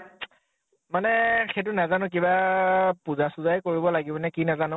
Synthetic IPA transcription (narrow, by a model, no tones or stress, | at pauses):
manɛxet̬ʊnazanʊ̃k̬ibapuzasuzajkoɹibɔlaɡibɔnɛkinazanʊ̃